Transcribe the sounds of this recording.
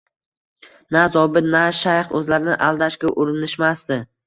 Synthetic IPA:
nazɒbɪt̪naʃajχɵzlaɾɪnɪʔalˠd̪aʃkʲaʔʊɾɪnɪʃmast̪ɪ

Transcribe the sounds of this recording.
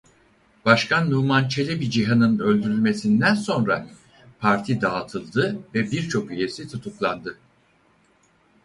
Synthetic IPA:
b̥aʃkʰanːuːmant͡ʃʰe̞lʲɛbid͡ʒiɦanɯnø̞lʲd̪yɾylʲme̞sind̪ænso̞nɾa | pʰaɾt̪ʰid̪aːt̪ʰɯlˠd̪ɯvɛbiɾt͡ʃʰo̞kyje̞sit̪ʰut̪ʰuklˠand̪ɯ

